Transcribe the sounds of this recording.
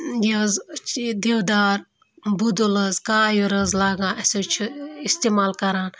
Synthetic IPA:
jɐzt͡ʃd̪ewd̪aːɾ | bud̪ulɐzkaːjuɾɐzlaːɡãːɐsoːt͡ʃʰuist̪emaːlkɐɾaːn

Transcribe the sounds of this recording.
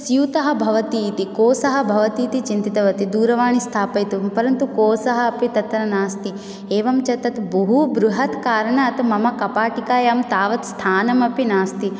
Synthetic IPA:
sjuːt̪ɐɦɐ̆bʱɐʋɐt̪iːt̪ikoːsɐɦɐbʱɐʋɐt̪iːt̪it͡ʃint̪it̪ɐʋɐt̪id̪uːɾɐʋaːɳist̪ʰaːpɐjt̪upɐɾɐnt̪ukoːsɐɦɐːpit̪ɐt̪ːɐnɐnaːst̪i | eːʋɐmt͡ʃɐt̪ɐt̪bɐɦubɾuɦɐt̪kaːɾɐɳɐɐt̪mɐmɐkɐpaːʈikaːjaːmt̪aːʋɐt̪st̪ʰaːnɐmɐpinaːst̪i

